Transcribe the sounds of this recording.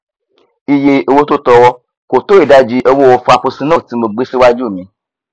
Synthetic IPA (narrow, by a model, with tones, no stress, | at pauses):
i˧je˧o˧wo˦to˦tɔ˧wɔ˦ | ko˨to˦i˦˨da˨˧d͡ʒi˨˦ʔo˧wo˦wɔ˧fu˧a˧fo˧sĩ˧nã˦˨ti˨˦mõ˧ɡ͡be˦si˦wa˦d͡ʒu˦˨mĩ˨˧˦